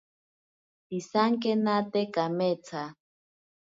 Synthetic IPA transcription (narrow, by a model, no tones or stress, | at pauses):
t̪isaŋkenat̪ekamet͡sʰa